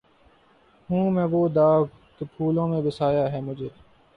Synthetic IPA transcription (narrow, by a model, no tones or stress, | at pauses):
ɦũːmɛ̃ːʋoːd̪aːʋ | k̪epʰuːlõːmẽːbɪsaːjaːɦɛːmʊd͡ʒʱeː